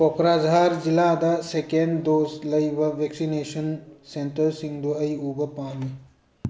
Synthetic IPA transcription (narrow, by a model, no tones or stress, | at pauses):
pokɾaːzɦaːɾd͡ʒilaːd̪asekẽɳɖd̪oːslɐjʋɐʋeksineːʃɐnsẽnʈəɾsĩŋɡd̪uɐiuːbɐpaːni